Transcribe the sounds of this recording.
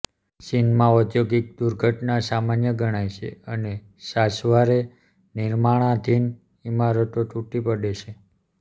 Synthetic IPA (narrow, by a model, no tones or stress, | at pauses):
sinmãɔt̪joɡik̚d̪uɾɡʱəʈnasamanjəɡʱəɽ̃ajʃʰḛəne | sasʋaɾe | niɾmaɭ̃ãd̪ʱin | imaɾət̪oʈuʈipəɽet͡ʃʰe